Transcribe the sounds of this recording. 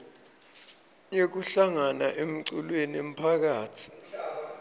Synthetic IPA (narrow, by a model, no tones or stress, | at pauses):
jek̬uɬaŋanaʔem̩ǀulweniem̩pʰak̬aːtʰi̥